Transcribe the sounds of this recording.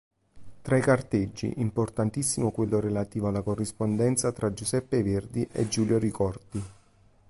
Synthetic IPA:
t̪ɾaikart̪ed͡ʒːḭʔimport̪ant̪isːimokwelːoɾelat̪iːvoalːakorːispond̪ɛnt̪sat̪ɾad͡ʒusɛpːeverd̪iʔḛd͡ʒːuːljoɾikɔrd̪i

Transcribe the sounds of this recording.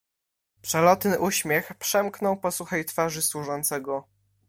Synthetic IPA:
pʂɛlɔt̪nɘʔuɕmʲjɛxpʂɛmknɔwpɔsuxɛjt̪faʐɘswuʐɔnt̪sɛɡɔ

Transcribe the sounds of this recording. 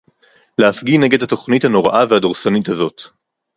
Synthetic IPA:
leafɡine̞ɡedhato̞χnithano̞ʁaʔavehadoʁsanithazo̞t

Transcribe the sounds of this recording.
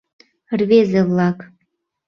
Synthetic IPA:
rβezeβlɑk

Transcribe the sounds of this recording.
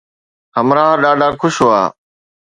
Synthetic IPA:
ɦəmɾaːɗaːɖʱaːkʰʊʃɦoːa̰ː

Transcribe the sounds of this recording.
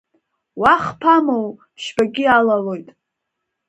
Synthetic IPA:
waχpʰamowpʰʃbaɡʲɪalalojtʼ

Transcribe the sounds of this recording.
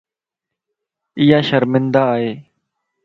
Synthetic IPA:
ɪjaːʃəɾmɪnd̪aːɦeː

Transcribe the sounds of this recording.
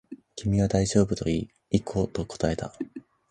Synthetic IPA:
kʲimʲiβad̪aiʑo̞ːbɯ̟t̪o̞̰iː | ikʰo̞t̪o̞ko̞̥t̪ae̞t̪a

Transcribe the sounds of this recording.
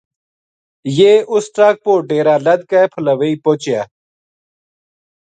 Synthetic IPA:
jeːʔʊsʈɾaːk̚poːɖeːɾaːləd̪̚kaepʰələʋeiːpoːt͡ʃjaː

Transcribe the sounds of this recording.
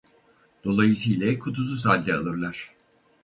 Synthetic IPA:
d̪̥o̞lˠajɯsɯjlʲɛkʰut̪ʰus̬us̬alʲd̪ɛalˠɯɾlˠaɾ̥

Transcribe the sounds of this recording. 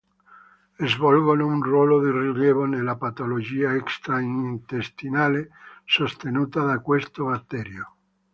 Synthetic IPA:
ezvɔlɡonounrwɔːlod̪iriljɛːvonelːapat̪olod͡ʒiːaɛkst̪ɾaint̪est̪inaːlesost̪enuːt̪ad̪akwest̪obat̪ːɛːɾjo

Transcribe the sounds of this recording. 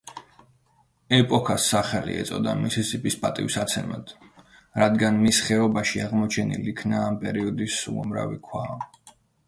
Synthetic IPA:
ɛpʼɔkʰasːaχɛlḭɛ̰t̪sʼɔd̪amisisʼipʼispʼat̪ʼivisat̪sʰɛma̰d̪̥ | ɾad̪ɡanmisχɛɔbaʃiaʁmɔt͡ʃʰɛnḭlikʰnaːmpʼɛɾiɔd̪isṵa̰mɾa̰vikʰwa

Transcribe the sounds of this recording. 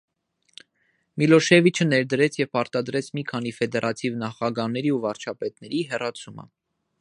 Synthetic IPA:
milɔʃɛvit͡ʃʰənɛɾd̪əɾɛt͡sʰjɛvpɑɾt̪ɑd̪ɾɛt͡sʰmikʰɑn̪ifɛd̪ɛɾʔɑt̪ʰivnɑχɑɡɑnɛɾiuvɑɾt͡ʃʰɑpɛt̪nɛɾiɦɛrɑt͡sʰumə̰

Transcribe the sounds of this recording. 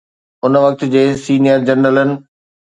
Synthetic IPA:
ʊnəʋɐk̚t̪ʊ̆d͡ʑeːsiːnijəɾd͡ʑɐnələnɪ̆

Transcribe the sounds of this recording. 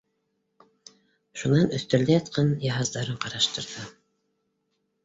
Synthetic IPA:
ʃunɑnɵ̆θt̪ɵ̆ɾlæjɑt̪̚qɑnjɑɦɑzd̪ɑɾɤɴqɑɾɑʃt̪ɤ̆ɾðɤ

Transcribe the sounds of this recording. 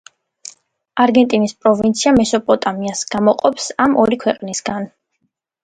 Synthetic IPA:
aɾɡɛnt̪ʼinispʼɾɔvint̪sʰiamɛsɔpʼɔt̪ʼamiasɡ̥amɔqʼɔpsamɔɾikʰwɛqʼnisɡan

